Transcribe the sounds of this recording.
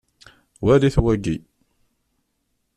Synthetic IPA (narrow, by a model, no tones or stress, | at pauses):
wæliθwæɡi